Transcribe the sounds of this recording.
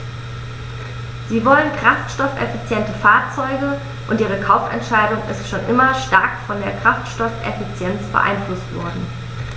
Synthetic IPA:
z̥iːvɔlənkʁ̥aftʃtɔfʔɛ̰fit͡sjɛntəfaːɐt͡sɔʏɡə | ʔʊntʔiːʁ̞əkʰaʊfɛ̰ntʃaɪdʊŋɪ̰stʃoːnʔɪmɐʃtaɐkfɔndeːɐkʁ̥aftʃtɔfʔɛ̰fit͡sjɛnt͡sb̥ə̰ʔa̰ɪnflʊstv̥ɔ̰ɐdn̩

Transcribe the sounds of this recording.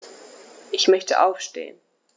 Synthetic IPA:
ʔɪçmœçtə̰ʔaʊfʃtḛːən

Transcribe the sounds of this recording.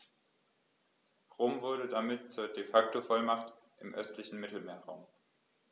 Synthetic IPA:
ʁoːmvʊɐɾədamɪtt͡suːɐdefak̚tofɔlmaχt | ʔɪmʔœ̰stʰlɪçn̩mɪtl̩meːɐʁaʊm

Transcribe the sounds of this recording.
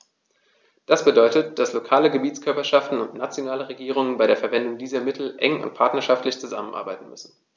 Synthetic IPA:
d̥asb̥ədɔʏtətd̥aslokʰaːləɡəbiːt͡skʰœɐpɐʃaftn̩ʊntnat͡sjonaːləʁeɡiːʁ̞ʊŋənbaɪɾeːɐfɛɐvɛndʊŋdiːzɐmɪtʰl̩ʔɛ̰ŋʊ̰nt̚pʰaɐtnɐʃaftlɪçt͡suzamən̩ʔa̰ɐbaɪtn̩mʏsn̩

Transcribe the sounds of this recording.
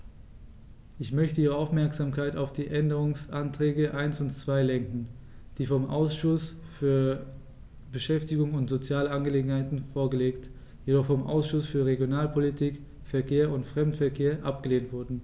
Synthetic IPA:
ʔɪçmœçtəʔiːʁ̞əaʊfmɛɐkz̥aːmkʰaɪtaʊfd̥iːʔɛndəʁ̞ʊŋsʔantʁ̥ɛːɡəʔaɪnsʊntt͡sv̥aɪlɛŋkŋ̩ | d̥iːfɔmʔa̰ʊsʃʊs | fyːɐ | bəʃɛftɪɡʊŋʊntz̥ot͡sjaːləʔanɡəleːɡŋ̩haɪtn̩foːɐɡəleːkt | jedɔχfɔmʔa̰ʊsʃʊsfyːɐʁeɡjonaːlpʰolitʰiːk | fɛɐkʰeːɐʊntfʁ̥ɛmtfɛɐkʰeːɐʔap̚ɡ̥əleːntv̥ʊɐdn̩

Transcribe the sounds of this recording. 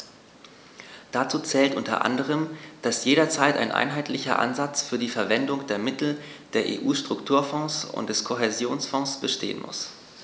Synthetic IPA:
d̥at͡suːt͡sɛːltʔʊntɐ̰ʔa̰ndəʁ̞əmd̥asjeːɾɐt͡saɪta̰ɪnʔa̰ɪnɦaɪtlɪçɐ̰ʔa̰nzat͡sfyːɐdiːfɛɐvɛndʊŋd̥eːɐmɪtl̩ | d̥eːɐʔḛːʔuːʃtʁ̥ʊktʰuːɐfɔ̃ːsʊ̰ntd̥ɛskʰoɦɛzjoːnsfɔ̃ŋsb̥əʃtḛːə̰nmʊ̰s

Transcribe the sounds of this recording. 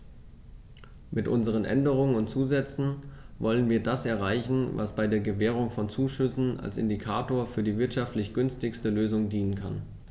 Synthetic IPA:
mɪtʔʊnzəʁ̞ənʔɛ̰ndəʁ̞ʊŋənʊntt͡suːzɛt͡sn̩vɔlənviːɐdasʔɛɐʁ̞aɪçn̩va̰sb̥aɪdeːɐɡəvɛːʁ̞ʊŋfɔnt͡suːʃʏsn̩a̰lsɪ̰ndikʰaːtoːɐfyːɐdiːvɪɐtʃaftlɪçɡ̥ʏnstɪçstəløːzʊŋdiːnənkʰan

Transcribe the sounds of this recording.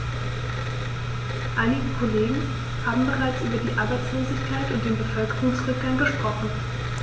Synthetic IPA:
ʔaɪnɪɡəkʰoleːɡŋ̩ | haːbm̩bəʁaɪt͡sʔyːbɐdiːʔaɐbaɪt͡sloːzɪçkʰaɪtʊnt̚d̥eːnbəfœlkəʁʊŋsʁʏk̚ɡ̥aŋɡəʃpʁ̥ɔχn̩

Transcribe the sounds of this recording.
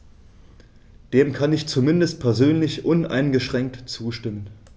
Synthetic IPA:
d̥eːmkʰanɪçt͡sumɪndəst̚pʰɛɐzøːnlɪçʔʊnʔa̰ɪnɡəʃʁ̥ɛŋk̚tt͡suːʃtɪmən

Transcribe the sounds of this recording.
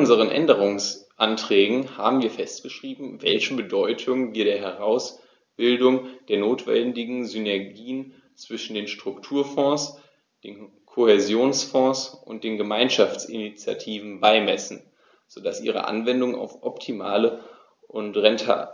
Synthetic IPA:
ʊnzəʁənʔɛ̰ndəʁ̞ʊŋsʔantʁ̥ɛːɡŋ̩haːbm̩viːɐfɛst̚ɡ̥əʃʁ̥iːbm̩vɛlçəbədɔʏtʰʊŋviːɐɾeːɐɦɛʁaʊs | b̥ɪldʊŋd̥eːɐnoːtv̥ɛ̰ndɪɡŋ̩zynɛɐɡiːən | t͡sv̥ɪʃn̩deːnʃtʁ̥ʊktʰuːɐfɔ̃ːs | d̥eːn | kʰohɛzjoːnsfɔ̃ːsʔʊnt̚d̥eːnɡəmaɪnʃaft͡sɪ̰nit͡sja̰tʰiːvn̩baɪmɛsn̩ | z̥oːd̥asʔḭːʁ̞ə̰ʔa̰nvɛndʊŋa̰ʊfʔɔptʰima̰ːlə | ʔʊntʁɛntʰa̰

